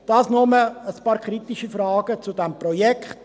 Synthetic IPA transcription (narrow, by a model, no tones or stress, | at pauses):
d̥ɑːsnɔməəspɑːɾkʰχɾit̪iʃifrɑːɡət͡sud̥ɛmprɔjɛkχt